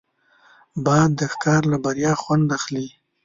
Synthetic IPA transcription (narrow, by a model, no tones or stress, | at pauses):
bɑjd̪ːəxkɑɾlabaɾjɑxwand̪axli